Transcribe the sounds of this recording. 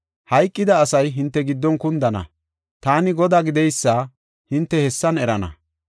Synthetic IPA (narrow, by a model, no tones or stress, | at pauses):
hɐjkʼːɪd̪ɐːsɐjɦɪnt̪ːɛɡɪd̪ːɔnkʊnd̪ɐnɐ̰ | t̪aːnɪɡɔd̪aːɡɪd̪ɛjsːɐ | hɪnt̪ːɛhɛsːɐnɛɾɐnɐ̰